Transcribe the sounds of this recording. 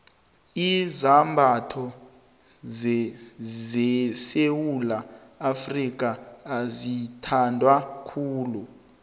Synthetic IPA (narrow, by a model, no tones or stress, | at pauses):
izambʱatʰɔ | zɛsewulaafrik̬ʼaːzitʰandʱwakʰuːlu